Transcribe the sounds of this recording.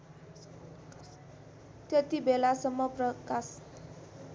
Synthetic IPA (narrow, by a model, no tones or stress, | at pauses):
t̪jʌt̪ibelasʌmːʌprʌkas